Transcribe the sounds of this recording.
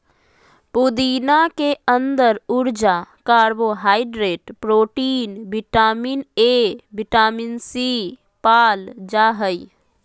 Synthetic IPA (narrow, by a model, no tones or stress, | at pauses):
pʊd̪iːnakeə̃nd̪əɾʊɾd͡ʒakaːɾboɦaːɪɖɾeːʈpɾoːʈiːnbɪʈaːminebɪʈaːminsi | paːld͡ʒaɦəi